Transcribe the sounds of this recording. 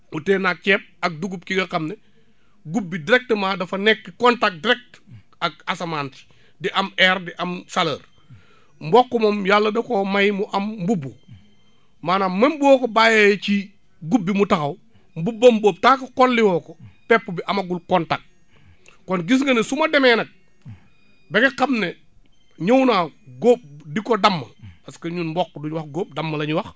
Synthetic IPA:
muteːnak̚t͡ʃɛːp̚ɐk̚duɡub̚kiɡɐkɐmnɛ | ɡubːidiɾɛk̚təmaːdɐfɐnɛkːkɔntak̚diɾɛk̚t | ɐk̚asɐmaːnti̥ | diʔɐmɛɾdiʔɐmsaləɾ | mbɔkːɔmɐmjalːɐdɐkomɐjmuʔɐmmbubːo | maːnamɐmbuwɔːkobaːjajt͡ʃi | ɡubːimutakɐw | mbubːɐmboːp̚takɐkolːiwoːkopɛpːubiʔamaɡulkontak̚ | konɡis̬ŋɡɐnesumademenɐk̚ | bekekamne | ɲownaɡoːb̚dikodamːɐpaskɐɲunmbokːduɲwɐxɡoːp̚dɐmːɐlɐɲuwɐx

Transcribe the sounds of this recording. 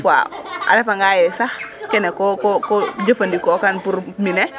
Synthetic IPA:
kwa̰a̰ɾɛfaŋɡajɛsahkɛnɛkɔkɔkɔd͡ʒɐfandikɔkanpuɾminɛ

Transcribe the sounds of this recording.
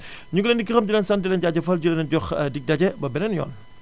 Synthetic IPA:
ɲuɡlendikːixɐmd͡ʒilɛnsɐndilɛnɟaɟɐfɐlɟulɛnnɟɔxdik̚dɐɟɐbɐbɛnɛnjɔ̰ːn

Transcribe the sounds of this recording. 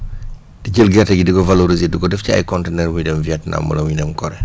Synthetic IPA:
diɟəlɡɛrtɐɡidiɡɔvaloɾizedikɔdɛfciɐ̰jkɔntenɛrwujdɛmviɛtna̰mːṵlɐwudɛmkɔɾɛ

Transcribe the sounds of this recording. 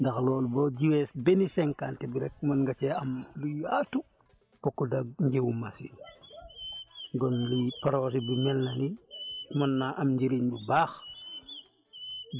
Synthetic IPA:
ndɐxlɔːlbɔɟiwɛsbɛnisɛŋkaːntɛbiɾɛk̚mɐnŋɡat͡ʃɛɐmluatu | pɔkːɔdaɡɲɟewumasḭn | ɡɔnlupaɾɔsibimɛlnɐnimɐnːaʔɐmɲɟiɾinbubaːx

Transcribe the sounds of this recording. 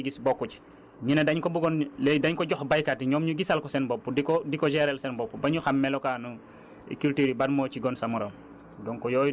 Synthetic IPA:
ɡisbɔkːuci̥ | ɲinɐdaɲkɔbuɡɔnlɛdaɲkɔɟɔxbajkatiɲɔmɲuɡisɐlkɔsɛnbɔpːudikɔdikɔd͡ʒɛɾɛlsɛnbɔpːubɐɲuxamːɛlɔkaːnṵ | kultiɾibanmɔːciɡɔnsɐmuɾɐm | dɔŋkɔjɔːj

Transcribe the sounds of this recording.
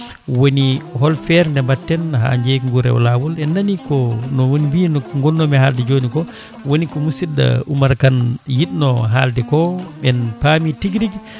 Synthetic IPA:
wonihɔlfɛɾndɛmbatːɛnɦa̰ɲd͡ʒeŋɡuɾɛ̰wlawɔlɛnːanikɔnɔwonibinɔŋɡɔnːɔmɛhaldɛd͡ʒoːnikɔ | wonikɔmusidːa̰ṵmaɾkanjiɗnɔɦaldɛkɔɓɛnpamitiɡɾiɡ

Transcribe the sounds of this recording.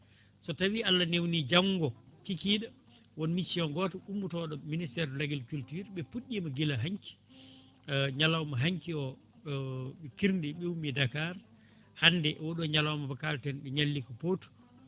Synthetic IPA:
sɔtawialːanewnid͡ʒaŋɡɔkikiɗa | wɔnmit͡ʃːiɔŋɡɔtɔumːutɔɗɔministɛɾlaɡilkultuɾɓɛpuɗːimaɡilaɦaɲki̥ | ɲalawmaɦaŋkiɔ | ɓɛkiɾndiɓɛwumidakaɾ | hanːdɛʔwoɗɔɲalawmabakaltɛnɓɛɲalːikɔpotu̥

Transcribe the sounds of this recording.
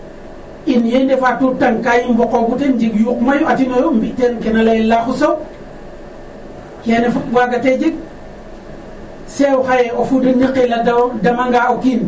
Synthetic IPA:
injendefatutːaŋkajimbokobutend͡ʒiɡjukmajuatinojombitenkenalajilaxuso | kenefuɡaɡated͡ʒiɡ̚ | sexajeofudiniqiladawdamaŋɡaokin

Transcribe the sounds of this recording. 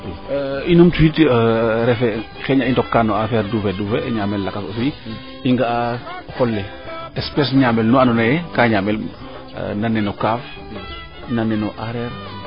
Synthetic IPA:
inomtuitɾɛfɛ | xɛɲaintɔkːanɔafɛːɾduːfɛdufɛɲaːmɛllakaso̰fui | iŋɡaa | xɔlːɛ | ɛspɛs̬ɲaːmɛlnuanɔnajɛkaːɲaːmɛl̰ | nanːɛnɔkaːf | nanɛnɔʔaɾɛɾ

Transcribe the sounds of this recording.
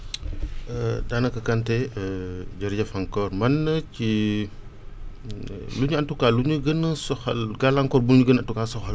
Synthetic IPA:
ədanɐkɐkantɛ | ɟɐɾɟɐfaŋkɔːɾmɐnːəci | luɲuantukaluɲuɡənəsɔxɐ̰lɡalaŋkɔːɾbuɲuɡənantukaːsɔxɐl

